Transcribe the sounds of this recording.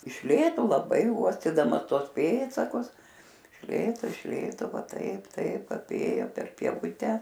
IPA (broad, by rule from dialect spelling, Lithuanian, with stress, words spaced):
ɪʃ ˈlʲeːtoː lˠɐˈbɐɪ ˈuɔsʲtʲiːdɐmɐs ˈtuɔs ˈpʲeːtsɐkʊs ɪʃ ˈlʲeːtoː ɪʃ ˈlʲeːtoː ˈʋɐ ˈtɐɪp ˈtɐɪp ɐˈpʲeːjoː pʲɛr pʲiɛˈʋʊtʲɛ